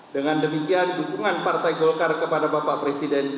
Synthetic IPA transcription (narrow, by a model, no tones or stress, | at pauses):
dəŋandəmikiandidukuŋanpart̪ajɡɔlkarkəpadabapaʔpɾesidɛn